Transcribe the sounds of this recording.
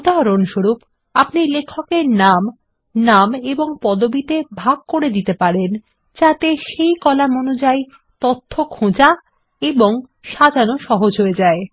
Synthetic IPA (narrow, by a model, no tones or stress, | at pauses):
ud̪aɦɾonʃoɾup | apnilekʰːokeɾnam | nameboŋpɔd̪obit̪ebʱaɡ̚koɾed̪it̪epaɾen | d͡ʑat̪eʃejkɔlamonod͡ʑaj | t̪ot̪ʰːokʰõd͡ʑa | eboŋ | ʃadʱanoʃɔɦod͡ʑɦoed͡ʑae